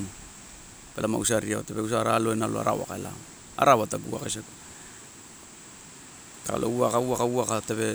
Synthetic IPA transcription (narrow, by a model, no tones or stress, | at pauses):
pelama̰usaɾiaotepe̞us̬aɾalo̞enaloa̰ɾa̰wa̰kaela̰ | a̰ɾawataɡua̰kajsak | kaa̰lʔo̰uakauakauakatebe̞